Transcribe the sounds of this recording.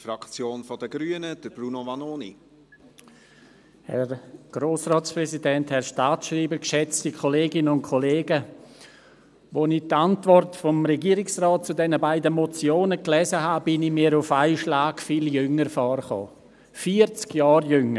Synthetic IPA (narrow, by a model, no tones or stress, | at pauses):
fɾɑkt͡sjoːnfɔdəɡɾyːənəd̥əɾb̥ɾunovɑnoːnḭ | hɛ̰ɾɡ̥ɾoːsrɑːtt͡spɾɛzidɛnthɛɾʃtaːtʃriːbəkʃɛt͡stikʰɔleːɡɪnəʊnkʰɔleːɡə | ʋonɪtantvɔrtfɔmɾɛɡiːɾɪksrɔːt̚t͡sudɛnəbaɪdəmɔt͡sjoːnəklɛːzəɦaːbɪnimiːɾʊfaɪʃlaːkfiːljʏŋəɾfɔːrχo̰ː | fiəɾt͡skjɑːɾjʏŋə